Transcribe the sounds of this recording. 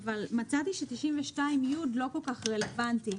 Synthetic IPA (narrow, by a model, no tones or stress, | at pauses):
avalmat͡sat̪iʃet̪iʃimveʃtaimjud̪lo̞ko̞lkaχʁe̞levant̪i